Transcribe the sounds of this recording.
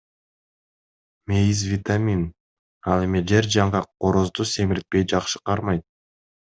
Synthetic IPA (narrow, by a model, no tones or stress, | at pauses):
me̞jizvʲit̪amʲin | ɑlˠe̞mid͡ʒe̞ɾd͡ʒɑɴʁɑqʰoɾo̞zd̪use̞miɾit̪̚pe̞jd͡ʒɑqʃɯ̥qʰɑɾmɑjt̪̚